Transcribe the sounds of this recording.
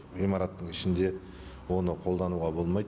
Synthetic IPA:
ʁijmɑɾɑt̪ːəɴɪʃɪnd̪e̞ | wo̞nəqʰo̞lˠd̪ɑnuʁɑbo̞lˠmɑjd̪

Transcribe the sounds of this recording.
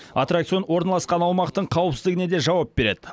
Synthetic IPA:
a̰t̪rakt̪io̞nwo̞ɾnɑlˠɑsqɑnɑwmɑqt̪əɴqʰɑwəpsɪzd̪ɪɡɪne̞d̪e̞ʒɑwɑp̚be̞ɾe̞d̪ɪ

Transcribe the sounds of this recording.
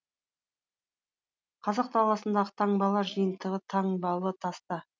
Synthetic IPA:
qʰɑzɑq̚t̪ʰɑlˠɑsənd̪ɑʁət̪ʰɑɴbɑlˠɑɾʒəjənt̪əʁət̪ʰɑɴbɑwlˠət̪ʰɑst̪ə

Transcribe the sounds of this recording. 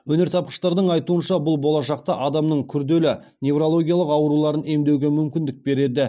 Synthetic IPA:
wɵne̞ɾt̪ʰɑp̚qə̥ʃt̪ɑɾd̪əɴɑjt̪uənʃɑbʊlˠbo̞lˠɑʃɑq̚t̪ɑʔɑd̪ɑmnəɴkʲʰʏɾd̪e̞lɪne̞vɾo̞lˠo̞ɡʲijalˠəqɑwɾulˠɑɾəne̞md̪ewɡʲe̞mʏmkʲɪnd̪ɪk̚be̞ɾe̞d̪ɪ

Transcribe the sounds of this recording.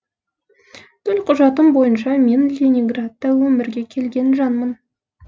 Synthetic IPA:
t̪ʰɵlqʰʊʒɑt̪əmbo̞jənʃɑme̞nlʲenʲiŋɡrat̪ːɑwɵmɪɾɡʲe̞kʲʰe̞lɡʲe̞nʒɑnmən

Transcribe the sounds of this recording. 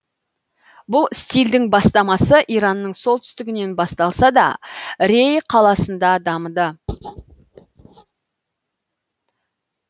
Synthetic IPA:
bʊlˠst̪ʲijld̪ɪŋbɑst̪ɑmɑsəʔiɾɑnːəɴso̞lˠt̪ʏ̥st̪ɪɡʲɪne̞nbɑst̪ɑlˠsɑd̪ɑ̰ɾe̞jqʰɑlˠɑsənd̪ɑd̪ɑməd̪ə

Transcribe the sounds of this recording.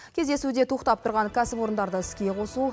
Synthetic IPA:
kʲʰe̞zd̪e̞sud̪e̞t̪ʰuqt̪ɑpt̪ʰʊɾʁɑŋkʲʰæsɪpo̞ɾənd̪ɑɾd̪əɪskʲe̞qʰo̞su

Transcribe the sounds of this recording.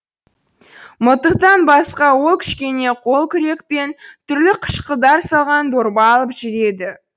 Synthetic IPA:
mʊt̪əqt̪ɑnbɑsqɑwo̞lˠkʲʰɪ̥ʃkʲe̞ne̞qʰo̞lˠkʲʰʏɾe̞k̚pe̞nt̪ʰʏɾlɪqʰə̥ʃqəd̪ɑɾsɑlˠʁɑnd̪oɾbɑɑlˠəpʒɪɾe̞d̪ɪ

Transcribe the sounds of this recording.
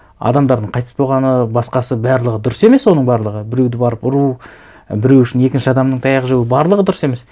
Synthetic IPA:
ɑ̰d̪ɑmd̪ɑɾd̪əɴqʰɑjt̪ə̥sbo̞lˠʁɑnəbɑsqɑsəbæɾlˠəʁəd̪ʊɾəse̞me̞swo̞nəɴbɑɾlˠəʁəbɪɾewd̪ɪbɑɾəpʊɾu | bɪɾewʏʃɪne̞kʲɪnʃɪɑd̪ɑmnəɴt̪ʰɑjɑʁəʒewɪbɑɾlˠəʁəd̪ʊɾse̞me̞s

